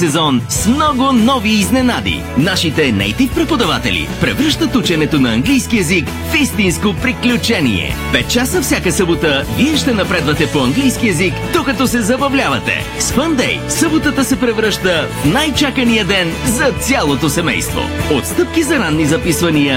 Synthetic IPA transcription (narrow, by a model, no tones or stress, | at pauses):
sɛzɔnsmnɔɡʊnɔviːznɛnad̪ḭ | naʃit̪ɛnɛ̰jt̪ifpɾɛpod̪ɐvat̪ɛ̰lḭpɾɛvɾəʃt̪ət̪ut͡ʃɛnɛt̪onɐːŋɡlijskiɛzik | fist̪inskopɾiklʲut͡ʃɛnḭɛ̰pɛt̪̚t͡ʃasəfsʲjakəsɤbot̪əviɛʃt̪ɛnɐpɾɛd̪vɐt̪ɛpoɐŋɡlijskiɛzikd̪okɐt̪ɔsɛzɐbɐvlʲavɐt̪ɛ̰ | sfənd̪ɛ̰jsɤbot̪ət̪əsɛpɾɛvɾəʃt̪əfnajt͡ʃakənijəd̪ɛnzɐt̪sʲjalˠot̪osɛmɛ̰jst̪vo̰ot̪st̪ɤp̚kizɐɾanːizɐpisvɐniə